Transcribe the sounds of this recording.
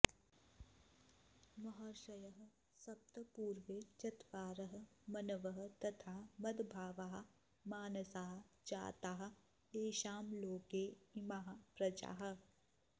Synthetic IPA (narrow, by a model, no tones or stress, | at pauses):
mɐɦɐɾʃɐjəɦ | sɐp̚t̪əpuːɾʋet͡ʃɐt̪ʋaːɾəɦmɐnɐʋɐɦt̪ɐt̪ʰaːmɐd̪bʱaːʋaːɦ | maːnɐsaːɦd͡ʒa̰ːt̪aːɦ | eːʃaːmloːkeːɪmaɦpɾɐd͡ʒa̰ːɦ̆